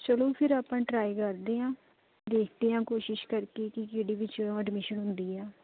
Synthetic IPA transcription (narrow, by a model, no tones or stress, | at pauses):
t͡ʃəloːpʰɪɾaːpãːʈɾaːikəɾd̪eːãː | d̪eːkʰd̪eːãːkoːʃɪʃkəɾkeːkɪkeːɽiːʋɪt͡ʃəɖmɪʃənɦʊ̃nd̪iːɛː